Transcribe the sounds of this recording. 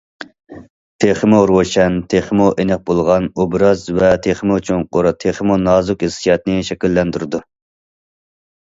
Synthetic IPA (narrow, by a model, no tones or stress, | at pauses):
t̪ʰeχɨmuɾwoʃɛnt̪ʰeχmuʔenɛq̚bolˠʁɑnobɾɑzvɛt̪ʰeχmut͡ʃʰunqoɾt̪ʰeχəmunɑːzukɪsijɑt̪nɪʃɛkʲilːɛnt̪yɾɪd̪u